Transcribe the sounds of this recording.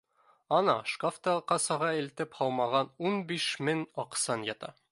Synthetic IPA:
ɒnɑʃkoft̪ɑqɑsɑʁɑilt̪ɘphɒlˠmɑʁɑnunbiʃmɘŋɒqsɑnjɒt̪ɑ̰

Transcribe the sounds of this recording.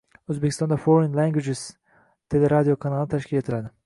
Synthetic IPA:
øzbekʲist̪ɑnd̪afoɾinlæŋɡwed͡ʒɪz̥ | t̪ʰe̞leɾad̪ijo̞kʰɑnɑlˠnt̪ʰæʃkʰʲilet̪ʰilad̪ɪ

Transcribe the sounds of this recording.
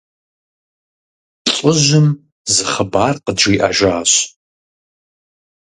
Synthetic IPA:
ɬʼʊʑʷʊm | zɨχəbaːrqədʈ͡ʂiːʔa̰ʒaːɕ

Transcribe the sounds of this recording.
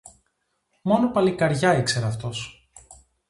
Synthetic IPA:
mo̞nopɐlikɐɾʝɐikse̞ɾɐːft̪o̞s

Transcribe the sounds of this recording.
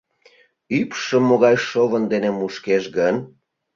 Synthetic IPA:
ypʃəmːoɣɑjʃoβənd̪enemuʃkeʃɣən

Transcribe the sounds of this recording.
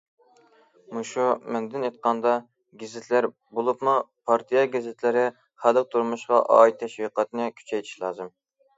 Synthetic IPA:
muʃumɛnd̪ɪnjet̪̚qɑnd̪ɑ | ɡʲɪzɪt̪ʰlæɾ | bolˠupnɨpʰɑɾt̪ʰijɑɡʲɪzɪt̪ʰlɪɾɪ | χælˠəq̚t̪ʰuɾmuʃqɑʔɑ̰it̪ʰːɛʃwiqɑt̪nɪkʲʰy̥t͡ʃʰɛjt̪ʰi̥ʃlˠɑːzɨm

